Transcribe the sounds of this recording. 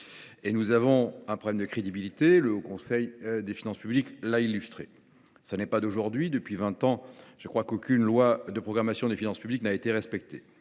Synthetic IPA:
enuzavɔ̃ɛ̃pχɔblɛmd̪əkχed̪ibilit̪eləkɔ̃sɛjd̪efinɑ̃spybliklailːyst̪χe | sanɛpad̪oʒuʁd̪ɥid̪əpɥivɛ̃t̪ɑ̃ʒ̥əkχwakokʲynlwad̪əpχɔɡʁamasjɔ̃d̪efinɑ̃spybliknaet̪eʁɛspɛk̚t̪ʰe

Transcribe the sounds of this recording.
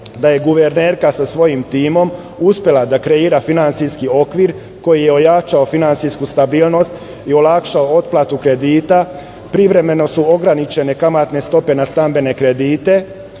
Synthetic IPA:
d̪aje̞ɡuʋeɾneːɾkasasʋo̞jimt̪iːmo̞m | uspje̞lad̪akɾe̞iːɾafinansiskio̞kʋiːɾ | ko̞jijeo̞jat͡ʃaofinant̪siskust̪abiːlˠno̞st̪ | io̞lakʃaoo̞t̪̚plˠat̪ukɾe̞d̪iːt̪a | pɾiʋɾe̞me̞no̞suo̞ɡɾanit͡ʃe̞ne̞kamat̪ne̞st̪o̞pe̞nast̪ambe̞ne̞kɾe̞d̪iːt̪e̞

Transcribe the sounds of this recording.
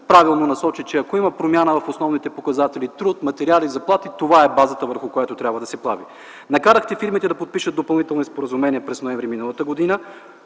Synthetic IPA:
pɾavilˠnonɐsɔt͡ʃit͡ʃɛɐkoimɐpɾomjanəvɐfosnɔvnit̪ɛpokɐzat̪ɛlit̪ɾut̪mɐt̪ɛɾializɐplˠat̪it̪ovaɛbazət̪əvəɾxʊkojat̪ot̪ɾʲabvəd̪ɐsɛplˠavi | nɐkaɾəxt̪ɛfiɾmit̪ɛd̪ɐpot̪̚piʃət̪̚d̪opɐlˠnit̪ɛlˠnispoɾəzumɛniɛpɾɛsnoɛ̃ɱvɾiminəlˠət̪əɡod̪inə

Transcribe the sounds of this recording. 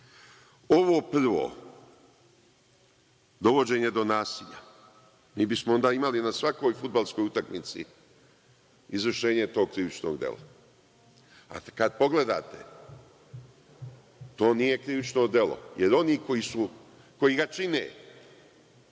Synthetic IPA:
o̞ʋo̞ːpr̩ʋo̰ː | d̪o̞ʋo̞d͡ʑe̞ːɲe̞d̪o̞naːsiʎa̰ | miːbismoo̞nd̪aːimalinasʋako̞jfud̪balˠskojut̪akmit̪sḭ | izʋrʃe̞ːɲet̪o̞ːɡ̚kɾiʋit͡ʃno̰ɡd̪jḛla̰ | a̰kad̪̚po̞ɡle̞d̪aːt̪e | t̪o̞ːnije̞kɾiʋit͡ʃno̞d̪je̞lo̞̰jeɾo̞niːko̞jisu | ko̞jiɡat͡ʃinḛ

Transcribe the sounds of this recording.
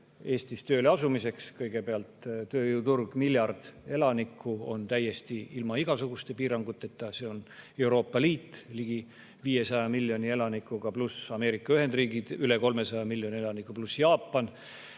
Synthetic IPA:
e̞ːst̪ist̪ø̞ːleɑsumise̞kskɤjɡ̥e̞peɑlt̪t̪ːøːjuut̪urɡ̥miljɑrd̪̥e̞lɑnikːuo̞̰nt̪æjːe̞st̪iilmɑiɡ̥ɑsuɡ̥ust̪e̞piːɾɑŋɡ̥ut̪ːˑe̞t̪ːˑɑse̞o̞ne̞wɾo̞ːpːˑɑliːt̪ːˑliɡ̥i | viːje̞sɑjɑmilʲːjo̞nie̞lɑnikːˑukɑplusɑme̞ːɾikːˑɑyɦe̞nd̪riːɡid̪̥yle̞ko̞lme̞sɑjɑmilːjo̞nʲielɑnikːˑuplusjɑːpːˑɑn

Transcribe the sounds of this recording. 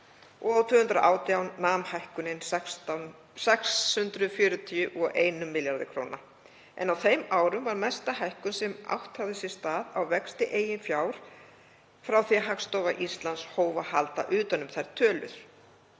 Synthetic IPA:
ɔɣawt̪ʰvʏːhʏnt̪ɾaʔaːwt̪jawnnːaːmhajhkʏnɪn | sɛkshʏnt̪ɾʏfjʏːɾʏt̪ʰiʏʔɔɣʔeːjnʏmːɪljaɾðɪkʰɾo̰ːwna | ʔɛ̰nawθejmaːwɾʏmvaɾmɛst̪aɦajhkʏnsɛma̰wht̪haɣðɪsɛ̥st̪aːðawvɛkst̪ɪʔeːjɪnfjaːwɾ̥ | fɾawθiaɦakst̪owvaʔist̪lanshoːwvahalt̪a̰ʔʏːt̪anʏmθajɾt̪ʰœːlʏ̰ɾ̥

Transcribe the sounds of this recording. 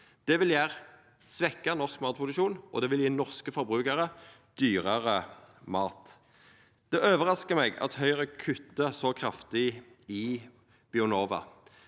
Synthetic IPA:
d̪̥ɛʋɪljæːʁ | sʋɛkːənɔʁskmɑːt̪̚pʰʊd̪ʉʃuːnʔɔ̰d̪ɛʋɪljiːnɔʁskəfɔʁbʁʉːkəʁə | d̪̥yːʁəʁəmɑːt̪ | d̪̥ɛʔøːʋəʁɑskəmɛɡɑ̰t̪hœʏʁəkʰʉt̪ːəsɔkʰʁɑft̪ɪ | ɪ | b̥ɪʉnoːʋɑ̰

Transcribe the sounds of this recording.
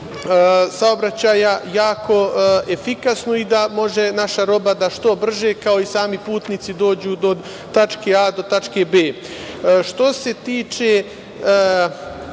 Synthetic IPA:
saobɾat͡ɕaːjajaːkʰo̞efikasnoid̪amo̞ʒe̞naʃaɾo̞bad̪aʃt̪o̞br̩ʒekao̞isaːmipuːt̪niːt̪sid̪o̞ːd͡ʑuːd̪o̞ | t̪at͡ʃkead̪o̞t̪at͡ʃkebeː | ʃt̪o̞se̞t̪iːt͡ʃeː

